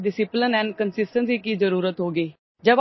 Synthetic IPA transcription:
ɖɪsɪplənɛ̃ːnkənsɪsʈənsiːkiːzəɾuːɾət̪ɦoːɡeː | d͡ʒəb

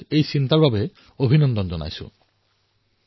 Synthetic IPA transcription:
ejsintaɹbabɛ | obʱinɔndɔnzɔna̰jsʊ̰̃

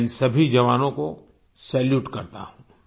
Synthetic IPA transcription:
nsɐbʱid͡ʒɐʋaːnõko | sɛːljuːʈkɐɾt̪a̰ɦũː

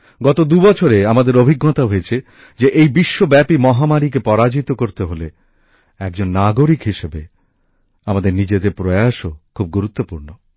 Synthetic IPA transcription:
ɡɔt̪od̪ubɔt͡ɕʰoɾeamad̪eɾobʱiɡːɔt̪aɦojet͡ɕʰe | d͡ʑeʔejbiʃːobɛpimɔɦamaɾik̬epɔɾad͡ʑit̪okoɾt̪eɦole | ɛk̚d͡ʑonːaɡoɾikɦiʃebe | amad̪eɾnid͡ʑed̪eɾpɾojaʃokʰub̚ɡuɾut̪ːopuɾno

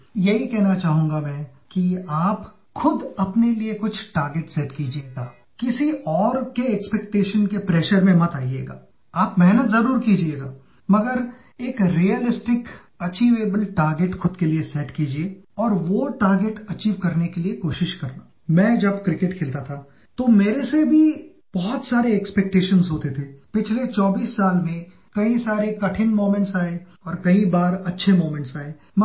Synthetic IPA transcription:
jɐɦikɛɦnat͡ʃaːɦũːŋ̆ɡamɛ̃ː | kiaːp | xʊd̪ɐpneliekʊt͡ʃʰʈaːɾɡeʈsɛːʈkid͡ʒieːɡaː | kɪsiʔɔːɾkeɛːkspɛːk̚ʈeːʃənkepɾɛːʃəɾmẽmɐt̪aːiḛːɡa̰ː | aːpmɛɦnət̪zɐɾuːɾkid͡ʒieːɡaː | mɐɡəɾ | eːkɾiəlɪsʈɪk | ɐt͡ʃiːʋeːbəlʈaːɾɡeʈxʰʊd̪keliesɛːʈkiːd͡ʒieːɔːɾʋoʈaːɾɡeʈɐt͡ʃiːʋkɐɾnekeliekoːʃɪʃkɐɾnaː | mɛ̃ːd͡ʒɐbkɾɪkeʈkʰɪlt̪at̪ʰa | t̪omeːɾesebʱi | b̥ɔɦʊt̪saːɾeɛkspɛk̚ʈeːʃənzɦoːt̪et̪ʰeːpɪt͡ʃʰlet͡ʃɔːbiːsːaːlmẽ | kɐĩsaːɾekɐʈʰɪnmoːmẽɳʈsaːe | ɔːɾkɐĩbaːɾɐtːʃʰemoːmẽɳʈsaːeː | mɐ

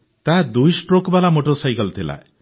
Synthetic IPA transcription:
t̪ad̪ujsʈɾokbalamoʈoɾsajkɔlt̪ʰila̰e

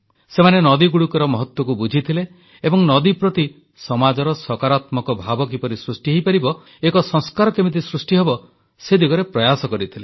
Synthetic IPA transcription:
semanenɔd̪iɡuɽukɔɾɔmɔɦɔt̪wɔkubud͡ʒʱit̪ʰile | ebɔŋnɔd̪ipɾɔt̪i | sɔmad͡ʒɔɾɔsɔkaɾat̪mɔkɔbʱabɔk̬ipɔɾisɾusʈiɦejpaɾibɔ | ekɔsɔ̃ŋskaɾɔkemit̪isɾusʈiɦebɔ | sed̪iɡɔɾepɾɔjasɔkɔɾit̪ʰile

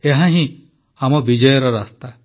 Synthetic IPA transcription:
eɦãɦĩ | amɔbid͡ʒɔjɔɾɔɾast̪a

